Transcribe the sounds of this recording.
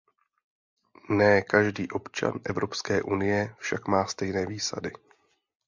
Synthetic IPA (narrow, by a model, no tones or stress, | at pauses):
nɛːkaʒdiːʔo̞pt͡ʃa̰nʔɛvɾo̞pskɛːʔunɪjɛfʃakmaːst̪ɛjnɛːviːsa̰dɪ